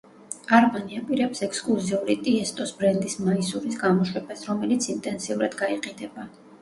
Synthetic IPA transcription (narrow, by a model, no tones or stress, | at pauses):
aɾmaniapʼiɾɛpsɛkʰskʼlˠuziuɾit̪ʼiɛst̪ʼɔsbɾɛnd̪ismaisuɾisɡamɔʃwɛbasɾɔmɛlit̪sʰint̪ʼɛnsiuɾad̪̥ɡaiqʼinɛba